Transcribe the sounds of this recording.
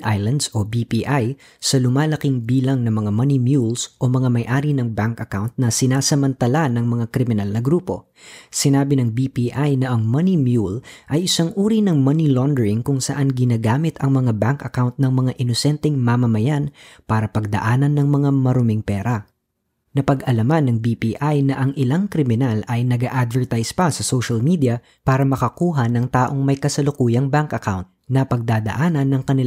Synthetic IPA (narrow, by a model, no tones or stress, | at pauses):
ʔajlɐnd̪sʔo̞bipiʔaj | sɐlʊmaːlɐkɪŋbiːlɐŋnɐmɐŋamɐnimjulsʔo̞mɐŋamɐjʔaːɾinɐŋbaŋkɐkawnt̪̚nɐsɪnaːsɐmɐnt̪ɐlanɐŋmɐŋakɾɪmɪnalnɐɡɾuːpo̞̰ | sɪnaːbɪnɐŋbipiʔajnɐʔɐŋmɐnimjulʔɐjʔɪsaŋʔuːɾinɐŋmɐnilond̪ɛɹɪŋkʊŋsɐ̰ʔanɡɪnaːɡaːmɪt̪ʰɐŋmɐŋabaŋkɐkawnt̪̚nɐŋmɐŋaʔɪnosɛnt̪ɛŋmamɐmɐjanpaːɾɐpɐɡ̚d̪ɐ̰ʔaːnɐnːɐŋmɐŋamɐɾomɪŋpɛːɾɐ | nɐpɐɡʔɐlɐmanːɐŋbipiːʔajnɐʔɐŋʔɪlaŋkɾɪmɪnalɐjnɐɡaʔad̪vɛɹt̪ajspɐsɐsoʃɐlmid̪ijɐ | paːɾɐmɐkɐkuːɦɐnɐŋt̪aːʔoŋmɐjkɐsɐlʊkuːjɐŋbaŋkɐkawnt̪̚nɐpɐɡ̚d̪aːd̪ɐ̰ʔaːnɐnːɐŋkɐnɪl